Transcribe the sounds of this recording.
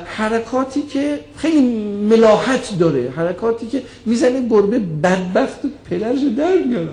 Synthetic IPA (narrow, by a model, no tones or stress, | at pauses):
hæɾækʰɒːt̪ʰiːkʰexejliːmelɒːhæt̪ʰd̪ɒːɾehæɾækʰɒːt̪ʰiːcʰʲe̞ | miːzæneboɾbebæd̪̚bæxt̪opʰed̪æɾʃed̪æɾmiɒɾæ